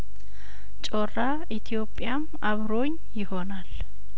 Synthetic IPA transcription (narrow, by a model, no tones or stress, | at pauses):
t͡ʃʼorːa | it̪ʰijo̞pʼːjamʔaβɾo̞ɲ | jɪho̞nal